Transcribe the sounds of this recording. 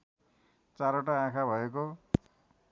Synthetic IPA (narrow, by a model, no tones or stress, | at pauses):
t͡saɾoʈaãkʰabʱʌeko